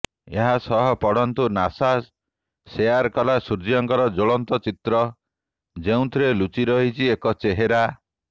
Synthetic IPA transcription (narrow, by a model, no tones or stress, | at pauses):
eɦasɔɦɔpɔɽɔnt̪unasasː | ejaɾkɔlasuɾd͡ʒiɔŋkɔɾɔd͡ʒoɭɔnt̪ɔt͡ʃit̪ɾɔ | d͡ʒeũt̪ʰɾelut͡ʃiɾɔɦit͡ʃʰiekɔt͡ʃeɦeɾa